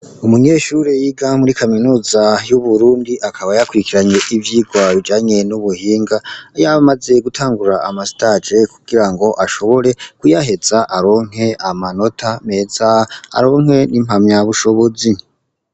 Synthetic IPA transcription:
umuɲe̞ːʃuɾe̞jiɡamuɾikʰaminuːzajuβuɾuːndiʔakʰaβajakuɾikiɾaɲe̞ʔivjiːɡwaβid͡ʒaːɲe̞nuβuhiːŋɡajamaze̞ɡutʰaːŋɡuɾaamasitad͡ʒe̞kuɡiɾaŋɡo̞ʔaʃo̞βo̞ɾe̞kujaɦe̞zaʔaɾo̞ŋ̥ɦe̞ʔamano̞tʰame̞za̰ːɾo̞ːŋ̥he̞nim̥hamɲaβuʃo̞βo̞zi

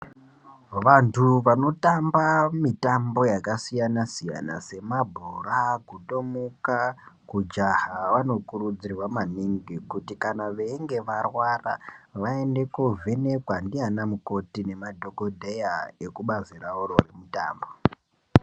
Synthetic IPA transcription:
ʋantʰuʋano̞tambamitambo̞jakasijanasija̰na̰se̞mabʱurakuto̞mukakud͡ʒahaʋano̞kurud͡zirwamaniŋɡikutikanaʋeiŋɡe̞ʋarwara̰ʋae̞nde̞kovʱe̞ne̞kwandianamuko̞tine̞madʱo̞kodʱejae̞kuɓaziraororemuta̰ːmbo̞

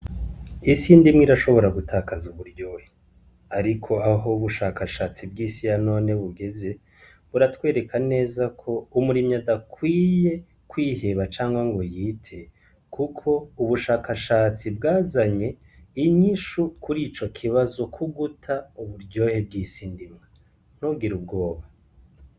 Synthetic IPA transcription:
isiːndimŋiɾaʃo̞βo̞ɾaɡutʰaːkazuβuɾɟo̞ːhe | aɾikʰo̞aɦo̞uβuʃaːkaʃaːt͡sibɡiːsijano̞ːne̞βuɡe̞ze̞ | βuɾatwe̞ːɾe̞kʰane̞ːzakʰo̞umuɾimɲadakwiːje̞ | kwiːhe̞βat͡ʃaːŋɡwaŋɡo̞jiːtʰe̞ | kukʰo̞uβuʃaːkaʃaːt͡sibɡaːzaɲe̞ | iɲiʃukʰuɾit͡ʃo̞kʰiβazo̞kʰuɡutʰauβuɾɟo̞ːhe̞b̚ɡiːsindimŋe | n̥ubɡiɾubɡo̞ːβa

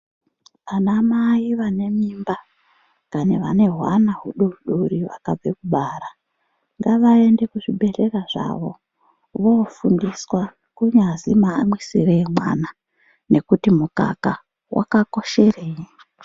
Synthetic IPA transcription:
ʋanamaiʋane̞mimba | kaneʋa̰ne̞ɦwanaɦuɗouɗuriʋa̰kab͡vekuɓaːɾa | ŋɡaʋae̞nde̞kuʐiɓe̞ɬe̞raʐa̰ʋo̞ | ʋofundiswa | kuɲazimaːmwisiremwa̰na | ne̞kutimuka̰ka | wʔa̰kako̞ʃe̞reːji

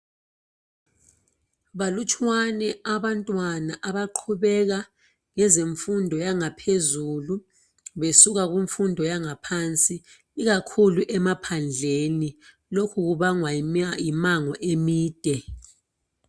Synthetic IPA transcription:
βalut͡ʃʰʼwanɛaβantʼwanaʔaβaǃʰuβɛɣa | ŋɛzeɱfundʱɔjaŋapʰezulu | βesuɣaɣiɱfundʱɔjaŋapʰant͡sʼiː | ɣakʰuluʔɛmapʰand͡ɮʱeni | lokʰuɣuβaŋwaajimaŋɔʔemiːd̥ʱɛ

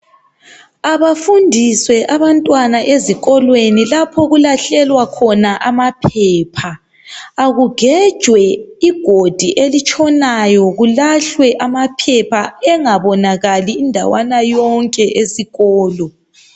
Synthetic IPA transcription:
aβafundʱiswɛʔaβantʼwanaʔeziɣɔlwenilapʰɔɣulaɬɛlwakʰɔnaʔamapʰɛːpʰaː | ɣuɡ̥ʱɛd̥ʒ̥ʱwɛiɡ̥ʱod̥ʱiʔelit͡ʃʼɔnajɔɣulaɬwɛʔamapʰɛpʰaɛŋaβɔnaɣaliːndʱa̰wanajɔŋkʼɛʔesiɣɔːlɔ

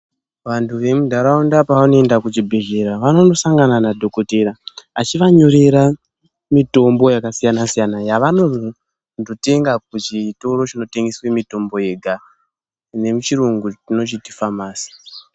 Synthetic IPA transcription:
ʋantʰuʋe̞mudʱaɾaundapaʋanoe̞ndakut͡ʃibʱe̞ʒe̞ɾaʋano̞no̞saŋɡananadʱo̞ko̞te̞ɾaat͡ʃiʋaɲoɾe̞ɾa | mito̞mbo̞jakasijanasijanajaʋano̞o | ndo̞te̞ŋɡak̚ut͡ʃito̞ɾo̞t͡ʃino̞te̞ŋɡeswe̞mito̞mbo̞je̞ɡʱa | ne̞mut͡ʃiruŋɡut͡ʃino̞t͡ʃiti̥famaːsi̥

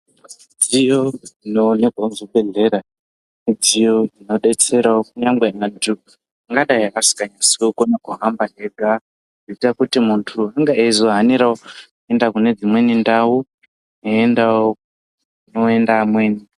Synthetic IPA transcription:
d͡zijoinoneɡwanzoɓe̞ɮe̞ɾa | mid͡zijoino̞ɗe̞t͡se̞ɾaokuɲaŋɡweantu | ŋɡaɗaiakasi̥kaɲasiwokonakuɦambaɦeɡʱa | itakutimuntʰuaŋɡaezoɦaniɾao | endakune̞d͡zimwe̞nindawu | neendao | noendamwe̞ːni

